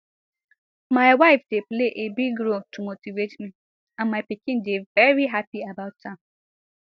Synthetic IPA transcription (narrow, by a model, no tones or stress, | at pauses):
maɪwaɪfdepleʔebiɡɾotumotivetmi | ãmːaɪpikɪ̃ndevɛɹiɦapiabaʊtʰːãm